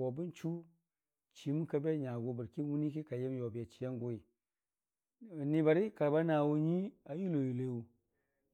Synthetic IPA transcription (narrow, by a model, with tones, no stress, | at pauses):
wo˨bu˦nt͡ʃu˦ | t͡ʃi˨mu˦ka˦be˦ɲa˨ɡo˨bu˨ɾki˦wu˦ni˦ki˦ka˨je˦m˦jo˨bi˨ja˨t͡ʃi˨ja˦ŋɡo˦i˨ | ni˨ba˨ɾi˦ka˨ba˦na˨wu˦ɲi˦a˨ju˦lo˨ju˨le˦wu˨